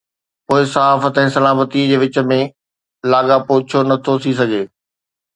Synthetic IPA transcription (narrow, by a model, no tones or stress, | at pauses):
poːɪsɐɦaːfət̪ɛ̃ːsɐlaːmət̪id͡ʑeːʋɪt͡ɕə̆mẽ | laːɠapoːt͡ɕʰonɐt̪ʰot̪ʰis̬ɐɡeː